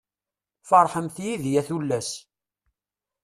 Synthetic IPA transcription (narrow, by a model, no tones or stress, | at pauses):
fɑɾˤħəmθjiðjæθulːæs